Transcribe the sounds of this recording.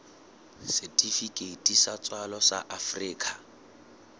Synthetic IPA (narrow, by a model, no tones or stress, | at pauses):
sɛtʼifikʼetʼisat͡sʼwalɔsa̰ʔafriːkʰʼa